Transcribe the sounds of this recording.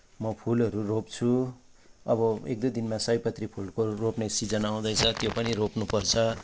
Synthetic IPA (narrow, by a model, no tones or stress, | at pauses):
mʌpʰulʌɾuropt͡sʰu | ʌbʌek̚d̪ud̪inmasʌjpʌt̪ripʰulkoropnesid͡zʌnaw̃d̪ʌjt͡sʰʌt̪jopʌniɾopnupʌrt͡sʰʌ